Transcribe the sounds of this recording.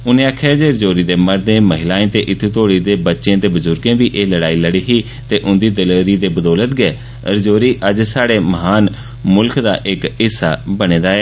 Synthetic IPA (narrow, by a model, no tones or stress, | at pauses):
ʊnẽːəkʰeːd͡ʒeːɾd͡ʒoːɾiːd̪eːməɾd̪ẽːməɦɪlaːẽːt̪eːʔɪt̪ʰːuːt̪oːɽiːd̪eːbətːʃẽːt̪eːbʊzʊɾɡẽːbiːʔeːləɽaːiːləɽiːɦiː | t̪eːʔʊ̃nd̪iːd̪əlɾiːd̪eːbəd̪ɔːlət̪ɡɛː | ɾd͡ʒoːɾiːʔəd͡ʒsaːɽeːməɦaːn | mʊlkd̪a̰ːʔɪkɦɪsːa̰ːbəɽ̃ẽːd̪aːɛː